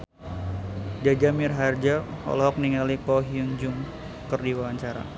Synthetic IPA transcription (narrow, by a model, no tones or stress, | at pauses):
d͡ʒad͡ʒamirɦard͡ʒaɔ̰lɔɦɔk̚niŋalikɔɦiuŋd͡ʒʊŋ | kərdiwawaɲt͡ʃaɾa̰